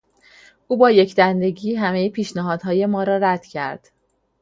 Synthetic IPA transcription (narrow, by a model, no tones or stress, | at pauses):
ʔuːbɒːje̞cʰd̪ænd̪e̞ɟiːɦæmejepʰiːʃnæɦɒːd̪̥ɦɒːje̞mɒːɾɒːɾæd̪̥cʰæ̰ɾd̪̥